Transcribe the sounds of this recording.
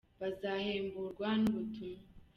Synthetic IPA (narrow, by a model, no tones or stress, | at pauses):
βazaheːmbuɾɡwanuβutuma